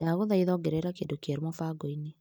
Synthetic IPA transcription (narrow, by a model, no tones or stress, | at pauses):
aɣoðaiðɔːɡɛɾɛɾakendokɛɾmɔfaɡɔine